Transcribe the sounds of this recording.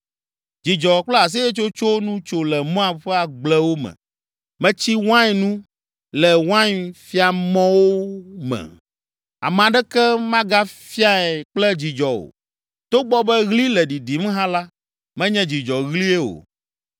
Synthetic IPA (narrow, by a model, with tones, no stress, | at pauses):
d͡ʒi˨d͡ʒɔ˨k͡plɛ˦a˨s̬i˦jɛ˦t͡ʃo˦t͡ʃo˦nũ˦t͡ʃo˦lɛ˨mɔ̃˦a˨ɸɛ˦a˨ɡ͡blɛ˦wo˦mɛ̰̃˨ | mɛ̃˦t͡ɕi˦wã˦jnũ˦ | lɛ˨wã˦ɲfi˦a˨mɔ̃˦wo˦mɛ̰̃˨ | a̰˨mɛ̃˨ã˨ɖɛ˦kɛ˦mã˦ɡa˦fi˦a˦ɛ˨k͡plɛ˦d͡ʑi˨d͡ʒɔ˨o̰˨ | t̪o˦ɡ͡bɔ˦bɛ˦ɣli˦lɛ˨ɖi˨ɖi˨m˦ɦã˦la˦ | mɛ̃˦ɲɛ̃˦d͡ʑi˨d͡ʒɔ˨ɣli˦ɛ˦o̰˨